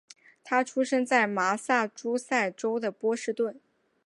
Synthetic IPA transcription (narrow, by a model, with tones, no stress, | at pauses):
t̪ʰa˥ʈ͡ʂʰu˥ʂɤ˥ŋt͡sa˥˩ɪma˧˥sa˥˩ʈ͡ʂu˥sa˥˩ɪʈ͡ʂo˥ʊd̪ə˨pwɔ˥ʂɻ̩˥˧t̪wə˥˩n